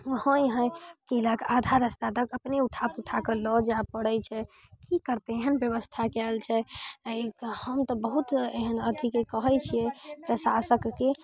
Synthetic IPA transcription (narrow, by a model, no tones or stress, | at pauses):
uhə̃jɦə̃jkilakad̪ʱaɾəst̪ad̪əkəpneuʈʰapuʈʰakəlɔd͡ʒapəɽət͡ʃʰɛ | kikəɾt̪eeɦənbjəβəst̪ʰakɛlt͡ʃʰɛ | həmt̪ɔbəɦut̪eɦənəd̪ʱikekəɦəjt͡ʃʰiɛpɾəsasəkːe